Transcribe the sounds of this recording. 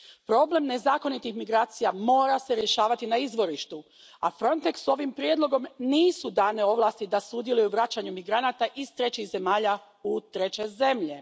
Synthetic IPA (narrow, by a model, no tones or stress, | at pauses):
pɾo̞ble̞mne̞zaːko̞nit̪ixmiɡɾaːt̪sijamo̞ːɾase̞ɾje̞ʃaːʋat̪inaizʋo̞ɾiʃt̪u | afɾo̞nt̪e̞kso̞ʋimpɾje̞d̪lˠo̞ɡo̞mniːsud̪aːneo̞ʋlˠaːst̪id̪asud̪je̞lujuʋɾat͡ɕaɲumiɡɾanat̪aʔist̪ɾe̞t͡ɕixze̞maːʎa | ut̪ɾe̞t͡ɕe̞ze̞mʎe̞